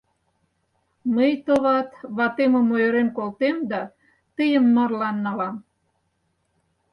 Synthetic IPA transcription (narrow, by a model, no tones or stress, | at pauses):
məjt̪ŏβɑt̪βɑt̪emŏmojøɾenkolt̪emd̪ɑ | t̪əjə̆mːərlɑnːɑlɑm